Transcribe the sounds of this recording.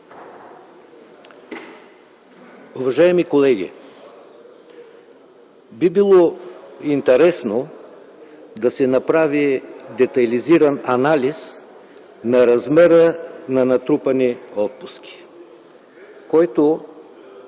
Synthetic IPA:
uvɐʒajɛmikolɛɡ̟ʲḭ | bibilˠɔint̪ɛɾɛsno | d̪ɐsɛnɐpɾavid̪ɛt̪ɐliziɾɐnɐnalis | nɐɾɐzmɛɾənɐnɐt̪ɾupɐniɔt̪̚pʊskʲi̥ | kɔjt̪o

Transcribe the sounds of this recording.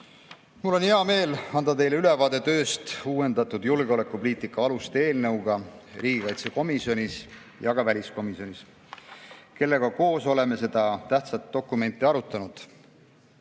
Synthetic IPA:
mulːo̞neɑme̞ːlɑnd̪̥ɑt̪e̞jleyle̞vɑːd̪̥e̞t̪ø̞ːst̪uːwe̞nd̪̥ɑt̪ːˑud̪̥julɡeo̞le̞kːˑupoliːt̪ˑikːˑɑɑlust̪e̞ːlnɤwɡ̥ɑriːɡ̥ikɑjt̪se̞ko̞misjo̞nʲis | jɑɡ̥ɑvælʲisko̞miso̞nʲis | ke̞lːe̞ɡ̥ɑko̞ːso̞le̞me̞se̞d̪̥ɑt̪æht̪sɑt̪ːo̞kːˑume̞nt̪ˑːiɑɾut̪ˑːɑnud̪̥

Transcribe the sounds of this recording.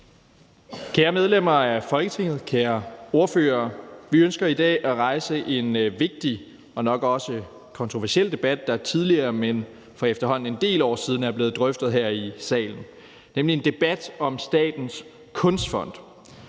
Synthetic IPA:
kʰeːɐmeð̞ˠlem̰ɐæɐfɒ̽lɡ̥ət͡sʰe̝ŋ̰ð̞̩ˠkʰeːɐo̝ɐføːɐːʋiønsɡ̥ɐid̥ɛ̰ːʔæʁɑ̈ɪsəʔe̝nʋe̝ɡ̥̚d̥i | ɒ̽nɒ̽ɡ̥ɒ̽sə | kʰɒ̽nt͡sʰʁo̝ʋæɐsiel̰d̥e̝b̥æd̥ːɑ̈t͡sʰið̞ˠliɐːmen | fɒ̽efd̥ɐɦɒ̽n̰n̩e̝nd̥e̝̰ːlɒ̰ːsið̞ˠn̩æɐb̥le̝ːð̩ˠd̥ʁœfd̥ð̞̩ˠɦæɐ̰isɛ̰ːln̩ | nemlie̝nd̥e̝b̥æd̥ɒ̽msd̥ɛ̰ːd̥n̩s | kʰɔ̽nsd̥fɒ̽n̰d̥

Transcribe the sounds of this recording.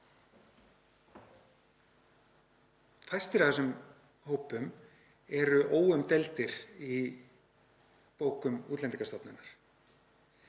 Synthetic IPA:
fajst̪ɪɾaθɛsʏm | hoːwpʏm | ɛɾʏʔoːwʏmt̪ɛlt̪ɪɾi | poːwkʏmuːt̪lɛnt̪iŋkast̪ɔpnɪnːaɾ̥

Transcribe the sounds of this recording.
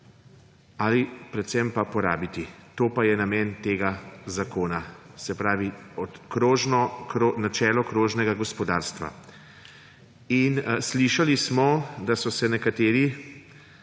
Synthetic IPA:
alipɾɛt̪sɛmpapɔɾa̰ːbit̪it̪oːpajɛnamɛːnt̪eːɡazakoːnasɛpɾaːʋiɔkɾoʒnɔɾonat͡ʃɛːlɔkɾoːʒnɛɡaɡɔspɔd̪aːɾst̪ʋa̰ | insliʃalismɔd̪asɔsɛnɛkat̪eːɾi

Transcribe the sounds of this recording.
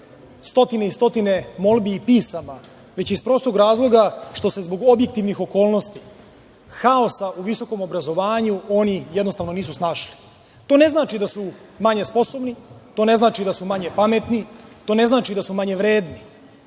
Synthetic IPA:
st̪o̞t̪ineist̪o̞t̪ine̞mo̞lˠbiːpiːsama | ʋe̞t͡ɕispɾo̞ːst̪oɡɾaːzlˠo̞ɡaʃt̪o̞se̞zbo̞ɡo̞bjek̚t̪iʋnixo̞ko̞ːlˠno̞st̪i | xao̞saʔuʋiso̞ko̞mo̞bɾazo̞ʋaːɲuo̞nijed̪nosaʋno̞niːs̬usnaːʃli̥ | t̪o̞ːne̞znaːt͡ʃid̪asu | maɲe̞spo̞so̞bnit̪o̞ne̞znaːt͡ʃid̪asumaɲepame̞t̪nit̪o̞ːne̞znaːt͡ʃid̪asumaɲeʋɾe̞ːd̪ni

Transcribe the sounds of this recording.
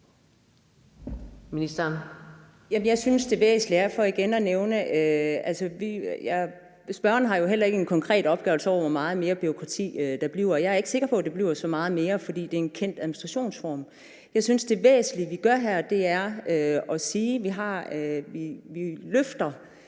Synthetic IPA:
minisd̥ɐn | jæməjɑ̈ɪsynsd̥e̝ʋḛːsnliæɐfɒiɡ̥enɒneʊnəʔøælsəʋijæ | sb̥ɶɐnəɦɑ̈jo̝ɦel̰ɐe̝ɡəenkʰɒ̽ŋkʰʁɛ̰ːd̥ɒ̽b̥ɡ̥ɛːʊl̩səɒʊ̰ɐʋɒmɑ̈ːð̞̩ˠme̝ːɐb̥yʁo̝kʰʁɑ̈t͡sʰḭːd̥ɑ̈b̥liʊ̰jɑ̈ɪæɐeɡ̥əse̝ɡ̥ɐpʰɒ̽d̥e̝b̥liʊ̰sɒ̽mɑ̈ːð̞̩ˠme̝ːɐfɒ̽d̥ḭːd̥e̝æenkʰen̰d̥æðˠminisd̥ʁɑ̈ɕo̝̰ːnsfɒːm | jɑ̈ɪsynsd̥e̝ʋḛːsnliʋiɡ̥ɶɐɦæɐd̥e̝æɐøɒ̽siːʋiɦɑ̈iʋiløfd̥ɐ

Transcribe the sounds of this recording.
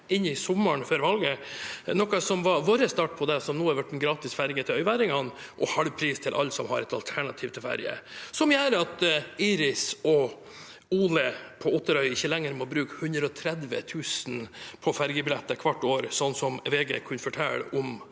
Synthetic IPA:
ɪnːɪsɔmːəɳføːɾʋɑlɡənɔkɑsɔmʋɑʋoːɾəst̪ɑːʈ̚pʰɔd̪ɛsɔmnuːæɾʋæʈ̚ːd̪ɛnɡɾɑːt̪ɪsfæɾɡət̪ʰɪlœʏʋæːɾɪŋɑn | ʔɔ̰hɑlʋpʰɾiːst̪ʰɪlʔɑ̰lːsɔmhɑ̰ɾɛt̪ɑ̰lt̪ʰæɳɑt̪ʰiːʋt̪ʰɪlfæ̰ɾɡə̰sɔmjæːɾəɑt̪iːɾɪsɔ | uːləpʰɔɔt̪ːəɾœʏɪçəlɛŋːəɾmɔbɾʉːkhʉnd̪ɾəɔt̪ʰɾɛd̪ʋə̰t̪ʰʉːsnpʰɔfæɾɡəbɪlɛt̪ːəkʰʋɑʈːoːɾsɔnːsɔmʋeːɡḛːkʰʉnfɔʈʰɛ̰lːə̰ʔɔm

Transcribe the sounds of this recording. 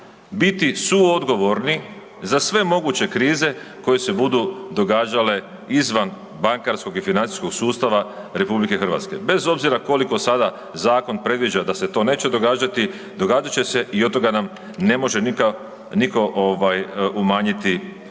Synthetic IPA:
bit̪isuo̞d̪ɡo̞ʋo̞ɾni | zasʋe̞mo̞ɡut͡ɕe̞kɾiːze̞ko̞je̞se̞bud̪ud̪o̞ɡaːd͡ʒale̞ | izʋan | baŋkaɾsko̞ɡifinant̪i̥sko̞ɡ̥suːst̪aʋaɾe̞publike̞xrʋa̰t̪ske̞̰be̞zo̞bziɾako̞liko̞sad̪a | zaːko̞npɾe̞d̪ʋid͡ʑad̪ase̞t̪o̞ne̞ːt͡ɕe̞d̪o̞ɡaːd͡ʒat̪i | d̪o̞ɡaːd͡ʒat͡ɕe̞se̞ʔiot̪ːo̞ɡanam | ne̞mo̞ʒe̞nika | niko̞ʔoʋajumaːɲit̪i

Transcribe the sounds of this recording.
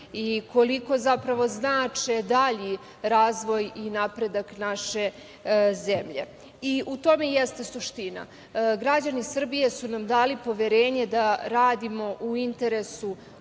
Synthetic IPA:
iko̞liko̞zapɾaʋo̞znaːt͡ʂed̪aʎi | ɾaːzʋo̞jinapɾe̞d̪aknaʃe̞ | zemʎe̞̰ | iʔut̪o̞me̞jest̪e̞suʃt̪ina̰ | ɡɾad͡ʑanisr̩bije̞sunamd̪aːlipo̞ʋeɾe̞ːɲe̞d̪aɾaːd̪imo̞ʔuint̪e̞ɾe̞su

